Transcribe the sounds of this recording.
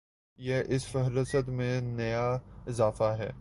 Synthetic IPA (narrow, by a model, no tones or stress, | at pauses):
jeʔɪsfɐɦɾɪsət̪mẽnɐjaɪzaːfaɦɛ̰ː